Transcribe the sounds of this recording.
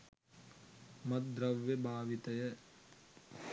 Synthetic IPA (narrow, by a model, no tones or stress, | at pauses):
mɐt̪̚d̪ɾɐʋːebʱaːʋit̪ɐjɐ